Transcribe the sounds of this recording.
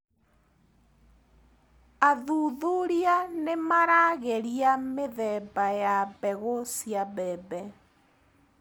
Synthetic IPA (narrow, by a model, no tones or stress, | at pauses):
aðuðuɾianemaɾaɣɛɾiameðɛbajaβɛɣosjaβɛbɛ